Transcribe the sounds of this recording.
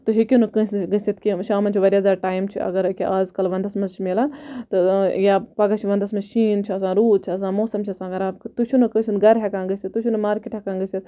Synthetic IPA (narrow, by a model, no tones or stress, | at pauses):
t̪ɨɦikʲinɨkə̃sɡəsit̪kiʃaːmɐnt͡ʃʰiʋɐɾʲɐzaːɾʈaːjmt͡ʃʰḭɐ̰ɡɐɾkʲiʔaːzkɐlʋɐnd̪ɐsmɐzt͡ʃʰimelaːnt̪ɨjaːpɐɡɐt͡ʃʰiʋɐnd̪ɐsmɐzʃiːnt͡ʃʰiɐsãːɾuːd̪̚t͡ʃʰiɐs̬ãːmoːsɐmt͡ʃʰiɐsãːɡɐɾaːbkt̪ut͡ʃʰunɐkəsʰind̪ɡɐɾɦekãːnɡɐsit̪ːut͡ʃʰunɐmaːɾkʲiʈɦekãːnɡɨsit̪̚